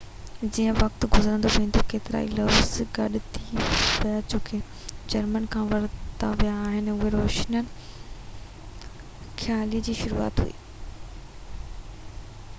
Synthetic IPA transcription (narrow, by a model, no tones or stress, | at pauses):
d͡ʑiːə̃ʋɐkt̪ɡʊzəɾə̃nd̪oʋẽːn̆d̪okeːt̪ɪɾa̰ːḭloːsɡɐɗɪt̪ʰipɐjat͡ɕoːkʰe | d͡ʑɐɾmənkʰãːʋɐɾt̪aʋijaːɦɪnʊɦeɾoːʃnənɪ | xʰjaːliəd͡ʑiːʃʊɾṵːa̰ːt̪ɦṵḭː